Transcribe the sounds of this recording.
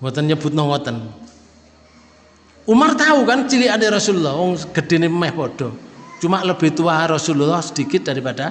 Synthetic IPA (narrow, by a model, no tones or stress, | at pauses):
wɔt̪ənɲəb̥ut̪̚nɔwɔt̪ən | umərt̪aukant͡ʃilianeɾɔsululːɔhwɔŋɡ̥əɖ̥eneəmɛhpɔɖ̥ɔ̤t͡ʃumaʔləb̥e̤t̪uwaɾɔsululːɔhsəd̥ikɪt̪̚d̥aɾipaɖ̥a